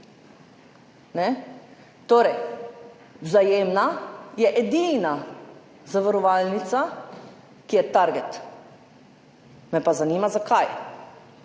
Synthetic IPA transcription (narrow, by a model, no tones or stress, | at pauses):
nɛ | t̪oːɾɛj | wzajeːmnajɛʔɛd̪iːna | zaʋaɾɔʋalnit̪sa | kijɛt̪aɾɡɛt̪ | mɛpazaniːmazakaj